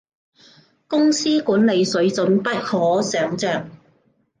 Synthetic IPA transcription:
kʊ˥ŋsiː˥kuː˨˥nle˨˧jsɵ˨˥ɥt͡sɵ˨˥npɐ˥t̚hɔː˨˥sœː˨˧ŋt͡sœː˨˩ŋ

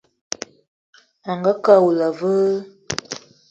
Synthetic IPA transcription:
a˨ŋɡə˦ka˦˨wu˨la˨və˦

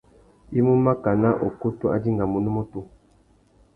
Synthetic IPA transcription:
i˦mu˦ma˦ka˨na˦ʔo˨ku˦tu˦a̰˦di˦ŋɡa˨mu˨nu˦mo˦tu˦

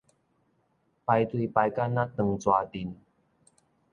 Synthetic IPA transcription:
pa˧jt̪wi˧pa˧jka˥na˦˥t̪ə˨˧ŋt͡swa˨˧t̪i˨˩n

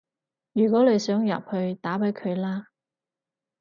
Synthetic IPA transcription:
jyː˨˩kwɔː˨˥le˨˧jsœː˨˥ŋjɐ̰˨p̚hɵ˧ɥt̪aː˨˥pɐ˨˥jkʰɵ˨˧ɥlaː˥

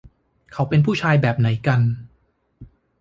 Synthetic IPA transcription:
kʰa˩˦wpe˧npʰuː˥˩t͡ɕʰaː˧jbɛː˨˩p̚na˩˦jka˧n

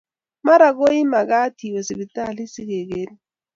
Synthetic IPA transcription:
ma˦ɾa˨ɡo˦i˦ma˨ɡa˦ti˨we˨si˨bi˨ta˦˨li˦si˦ɡe˨ɡe˦n˦

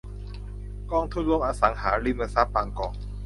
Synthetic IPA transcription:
kɔː˥˩ŋt̪ʰu˥˩nluː˥˩˨pʔaː˧sa˩˦ŋhaː˩˦ɾi˥˩ma˧sa˦˥p̚baː˧ŋkɔː˨˩ŋ̚

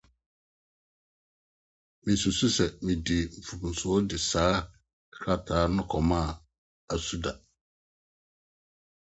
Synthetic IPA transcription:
mɪ̃˨su˨su˦sɛ˨mɪ̃˨di˨m̩˨fu˨kũ˨n̩˨sʊ˨˦ɔ˦dɪ˨saː˦ | kʰɾa˦tʰaː˨˦nʊ̃˦kʰɔ˨mã˦˨ | a˨su˦da˨

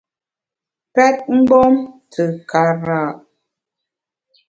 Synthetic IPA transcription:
pɛ˦t̚ŋ̩˦ɡ͡bɔ˦mtʰə˨ka˨ɾa˨ʔ

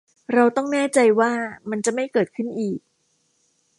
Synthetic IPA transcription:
ɾa˧wt̪ɔ˥˩ŋnɛː˥˩t͡ɕa˧jwaː˥˩ma˧nt͡ɕa˨˩ʔma˥˩jkɤː˨˩t̪̚kʰɯ˥˩nʔiː˨˩k̚

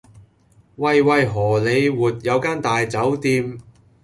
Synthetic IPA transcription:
wɐ˨˧jwɐ˨jɦɔː˨˩le˨˧jwuː˨t̚jɐ˨˧wkaː˥nt̪aː˨jt͡sɐ˨˥wt̪iː˧m

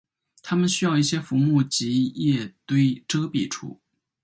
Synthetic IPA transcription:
t̪ʰa˥mə˨nɕy˥jɑ˥˧ʊi˥˩ɕjɛ˥fu˧˥mu˥˩t͡ɕi˧˥jɛ˥˩t̪we˥ɪʈ͡ʂɤ˥pḭ˨˩ʈ͡ʂʰṵ˨˩˦

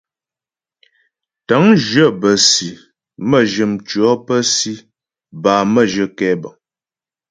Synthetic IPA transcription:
tə˨˦ŋʒɰə˦˨bə˨si˨ | mə˦˨ʒə˨mt͡ʃɥɔ˨˦pə˦si˦ | baː˨mə˦˨ʒə˨kɛ˦bə˨ŋ

